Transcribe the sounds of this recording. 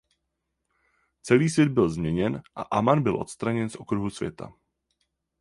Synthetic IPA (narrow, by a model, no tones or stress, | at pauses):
t͡sɛliːsvjɛd̪̚bɪlzmɲɛɲɛnʔa̰ʔamanbɪlʔo̞̰t̪st̪ɾaɲɛnsʔo̞kɾuɦusvʲjɛ̰t̪ʰa̰